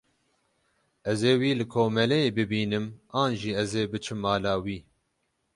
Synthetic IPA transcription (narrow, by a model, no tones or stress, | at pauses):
ɛzeːwiːlɨkʰoːmɛlɛjeːbɨbiːnɨmaːnʒiːɛzeːbɨt͡ʃʰɨmːaːlaːwiː